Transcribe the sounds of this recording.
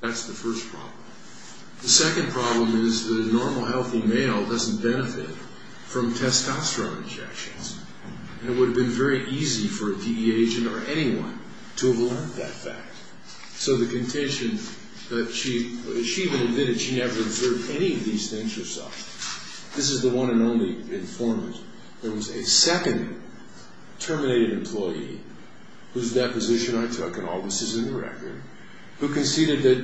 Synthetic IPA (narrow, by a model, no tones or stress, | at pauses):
ðætsðɨfɜ˞spʰɹ̥ɑ̰blə̃m | ðɨsɛkɨ̃npʰɹ̥ɑblə̃mɪzðɨɾnɔɹml̩ˠhɛlˠθimeɪl̩ˠdʌzn̩b̥ɛnɨfɪ̰t | fɹʌ̃mtʰɛstɑstɹ̥õʊ̃nɨ̰̃nd͡ʒɛ̰kʃɨ̰̃nz̥ | ɨ̃nɨt̚wʊɾɨvbɨ̃nvɛɹiʔizifə˞ɨdiieɪd͡ʒɨ̃nə˞ʔɛñiwʌ̰̃n | tʰəːvlɜ̃˞ðɨ̰tfæ̰k̚t̚ | soʊðɨkɨ̃ntʰɛ̃nʃɨ̃n | ðɨtʃiʃiivɨ̃nɨd̚mɪɾɨd̥ʃinɛvə˞ɨbzɜ˞vdɛñiʌvðiz̥θɪ̃ŋz̥ɨ̥sɛ̰ | ðɪs̬ɨzðəwʌ̃ñɨ̃nõʊ̃nliɨ̃ɱfɔɹmɨ̃nt | ðə˞wʌzɨsɛkɨ̃nd | tʰɜ˞mɨneɪɾɨɾɨ̃mpʰl̥ɔɪḭ | hʉzdɛpɨzɪʃɨ̃naɪtʰʊkɨ̃nɔ̰lˠɡɨsɨzɨ̃ndə˞ɛ̰k̚tə̰̥˞ | hʉkɨ̃nsiɾɨ˞d̪̚ðɨt̚